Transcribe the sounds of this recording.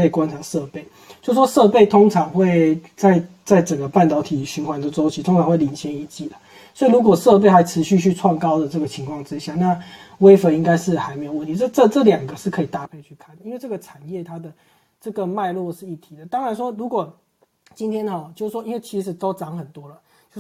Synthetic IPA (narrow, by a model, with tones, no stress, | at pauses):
i˨˩kwa˥nʈ͡ʂʰɑ˧˥ŋʂɤ˥˧pe˥˩ɪ | t͡ɕjo˥ʊs̩˥˩ʂwɔ˥ʂɤ˥˧pe˥˩ɪt̪ʰʊ˥ŋʈ͡ʂʰɑ˧˥ŋxwe˥˧ɪt͡sa˥˧ɪt͡sa˥˩ɪʈ͡ʂə˨˩ŋɡə˦pa˥˩nt̪ɑ˧˥ʊt̪ʰi˨˩ɕi˧˥ŋxwa˧˦nd̪ə˧˩ʈ͡ʂo˥ʊt͡ɕʰi˨˥t̪ʰo˥ŋʰɑ˨˧˦ŋwe˥˩ɪli˨˩nɕjɛ˧˥ŋi˧t͡ɕi˥˩lə˩ | swɔ˧˥i˨lu˧˥k̬wɔ˨˩ʂɤ˥˧p̬e˥˩a˧˥ɪʈ͡ʂʰɻ̩˧˦ɕy˥˧t͡ɕʰy˥˧ʈ͡ʂʰwɑ˥˧ŋkɑ˥˩ʊd̪ə˩ʈ͡ʂɤ˥˩ɡə˩t͡ɕʰi˧˥ŋkʰwɑ˥˩ŋʈ͡ʂɻ̩˥ɕja˥˩na˥˨we˥ɪfə˨˥i˥ŋka˥ɪʂɻ̩˥˩xa˧˥ɪme˧˥jo˨˦wə˥˨nt̪i˧t͡sə˥˧ʈ͡ʂə˥˧ʈ͡ʂɤ˥˩ljɑ˨˩ŋɡə˦ʂɻ̩˥˩kʰɤ˧˥i˨˩t̪a˥˧pʰe˥˧ɪt͡ɕʰy˥˧kʰa˥˩ni˥nwe˥ɪʈ͡ʂɤ˥˩ɡə˩ʈ͡ʂʰa˨˩njɛ˥˩t̪ʰa˥d̪ə˨ | ʈ͡ʂɤ˥˩ɡə˩ma˥˧ɪlwɔ˥˧ʂɻ̩˥˧i˥˩t̪ʰi˨˦d̪ə˨˩t̪ɑ˥ŋɻa˧˥nʂwɔ˥ɻu˧˥kwɔ˨˩ | t͡ɕi˥nt̪ʰjɛ˥nɔ˨˩t͡ɕjo˥˧ʊ˩wɔ˦i˥nwe˥˩ɪt͡ɕʰi˧˥ʂɻ̩˧˩˦t̪o˥ʊʈ͡ʂɑ˧˥ŋxə˨˩nt̪wɔ˥lə˨ | t͡ɕjo˥˧ʊ